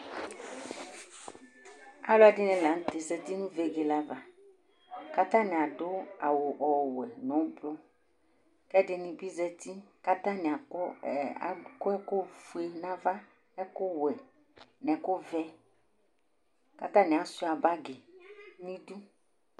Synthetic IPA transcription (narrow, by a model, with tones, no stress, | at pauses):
a̰˦lʊ˦a˨dɪ˦nɛ̃˨la˨n̩˦t̪e˨sɛ˨t̪i˦nũ˦ve˨ɡe˨la˦va˨ | ka˦t̪ã˦nɪ̃˨a˨dʊ˦a˨wʊ˨ʔɔ˨wɛ˨nɔ̃˨˦plʊ˦ | kɛ˦dɪ˨nĩ˨bi˦zɛ˦t̪i˦ka˦t̪ã˦nɪ̃˨a˨˦a̰˨kʊ˦ɛ˦kʊ˦fu˨e˨nã˦va˦ | ɛ˦kʊ˦wɛ˨ | nɛ̃˨kʊ˦vɛ˦ | ka˦t̪ã˦nɛ̃˨a˨sʊ˦˨a˨ba˦ɡɪ˨nĩ˦du˦